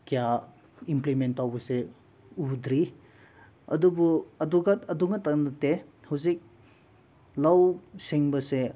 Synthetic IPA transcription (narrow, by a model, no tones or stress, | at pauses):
kija | implimentːawbɐse | udɾi | ɐ̰dubuɐduɡatɐduŋɐtaŋnɐte | hawzik̚ | lawsiŋbɐse